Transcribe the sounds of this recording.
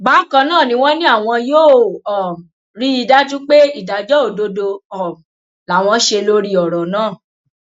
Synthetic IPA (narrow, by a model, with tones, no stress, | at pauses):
ba˨˦kã˧nãː˦˨nĩ˧˦w̃ɔ̃˦nĩ˦a˦˨w̃ɔ̃˧joː˦˨ɔ˨ | ɾi˦i˧da˦tũ˦k͡pe˦i˦˨da˨˦d͡ʒɔ˦o˦˨do˧do˧ɔ˨ | la˨w̃ɔ̃˧˦ʃe˧lo˦ɾi˦ɔ˨ɾɔ˨nãː˦˨